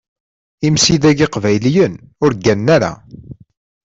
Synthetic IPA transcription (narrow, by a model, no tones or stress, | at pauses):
imsiðæɡiqvæjlijən | ʊɾɡænːæɾa̰